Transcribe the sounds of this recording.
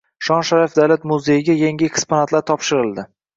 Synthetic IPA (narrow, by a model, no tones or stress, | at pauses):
ʃɒnʃaɾafd̪alat̪mʊzejɪɡʲajaŋɡʲɪekʲsponat̪ʰlaɾt̪ʰɒpʃɪɾɪlˠd̪ɪ